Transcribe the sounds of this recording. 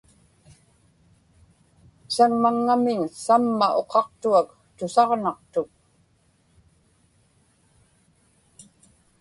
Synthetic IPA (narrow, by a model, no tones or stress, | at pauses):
saŋmaŋːamɪɲsamːaʔo̞qɑqt̪uak | t̪ʊsɑʁnɑqt̪ʊk̚